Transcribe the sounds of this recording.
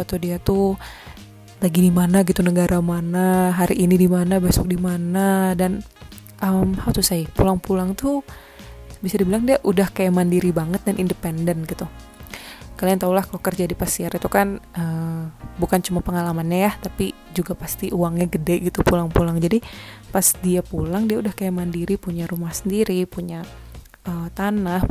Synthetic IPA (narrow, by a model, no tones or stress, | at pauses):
at̪udiat̪u | laɡidimanaɡit̪unəɡaɾʔamanaɦaɾiʔːnidimanabasʊk̚dimanadan | ʔəmhaut̪usajpulaŋpulaŋt̪u | bisadibilaŋdiaʔudahkajamandiɾibaŋət̪̚danʔindəpɛndənɡit̪u | kaliaŋt̪aulahkalokərd͡ʒadipasiaɾʔit̪ukanʔəbukant͡ʃumapəŋalamanɲajaht̪api | d͡ʒuɡapast̪iʔuwaŋɲaɡədɛɡit̪upulaŋpulaŋd͡ʒadipasdiapulaŋdiaudahkajamandiɾipuɲaɾumahsəndiɾipuɲa | ət̪anah